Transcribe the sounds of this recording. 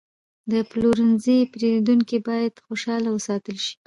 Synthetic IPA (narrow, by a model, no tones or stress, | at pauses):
d̪əploɾənzipɾeɾid̪uŋkibɑjad̪xoʃɑlawəsɑt̪əlʃi̥